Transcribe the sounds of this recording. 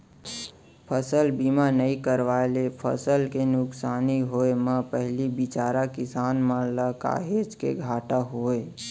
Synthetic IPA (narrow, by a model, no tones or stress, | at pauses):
pʰəsəlbimanəĩkəɾʋaelepʰə̰səlkenʊksaːniɦoeməpəɦlibit͡ʃaːɾakɪsaːnmə̃ləka̰ɦed͡ʒkḛɡʱaːʈaɦoe